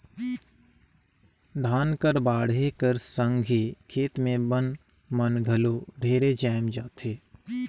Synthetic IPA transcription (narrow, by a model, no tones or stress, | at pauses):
d̪ʱaːnkəɾbaːɽekəɾsə̃ŋɡʱikʰeːt̪mẽbənmənɡʱɐloːɖʱeːɾed͡ʒɛːmd͡ʒaːt̪ʰeː